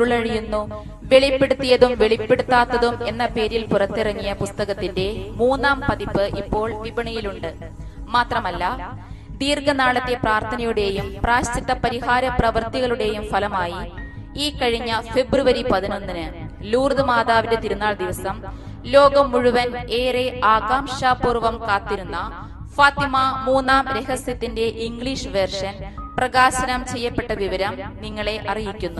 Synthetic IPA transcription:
uɭɐɻijunːu | ʋe̞ɭipːeɽut̪ːijɐðumʋe̞ɭipːe̞ɽut̪ːaːt̪ːɐðumenːɐpe̞ːɾilpurɐt̪ːirɐŋːijɐpust̪ɐɣɐt̪ːinde̞muːnːaːmpɐðipːɨʔipːo̞ːɭʋibɐɳɐjiluɳɖɨ | maːt̪rɐmɐlːɐ | d̪iːrɡɐnaːɭɐt̪ːe̞praːrt̪ʰɐnɐjuɽe̞jumpraːɕtit̪ːɐpɐɾiɦaːɾɐprɐʋɐrt̪iɣɐɭuɽe̞jumfɐlɐmaːji | iːkɐɻiɲːɐfe̞bruʋɐɾipɐðino̞nːinɨ | luːrðɨmaːðaːʋindet̪iɾunːaːɭd̪iʋɐsɐm | lo̞ːɡɐmːuɻuʋɐne̞ːreaːɡaːmʂaːpuːrʋɐmkaːt̪ːiɾunːɐ | faːt̪imɐmuːnːaːmɾe̞ɦɐsjɐt̪ːinde̞ʔiŋɡɭiʂɨʋe̞rʂɐnprɐɣaːɕɐnɐmt͡ɕe̞jːɐpːe̞ʈːɐʋiʋɐɾɐmniŋːɐɭe̞ʔɐrijikʲːunːu

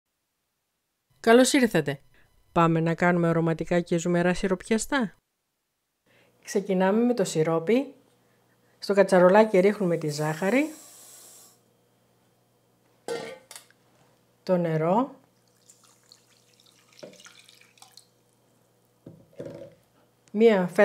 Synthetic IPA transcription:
kɐlo̞siɾθɐt̪e̞ | pɐme̞nɐkɐnume̞o̞ɾo̞mɐt̪ikɐcezume̞ɾɐsiɾo̞pçɐst̪ɐ | kse̞cinɐme̞me̞t̪o̞siɾo̞pi | st̪o̞kɐt͡sɐɾo̞lɐciɾixnume̞t̪izɐxɐɾi | t̪o̞ne̞ɾo̞ | miɐfe

